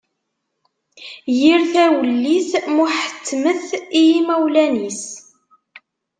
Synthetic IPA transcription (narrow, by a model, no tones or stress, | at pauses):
jiɾθæwəlːismuħə̥t͡sːməθijimæwlænis